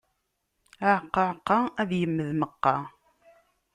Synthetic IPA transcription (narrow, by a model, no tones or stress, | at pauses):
aʕəqːəʕəqːɑæðjəmːəðməqːɑ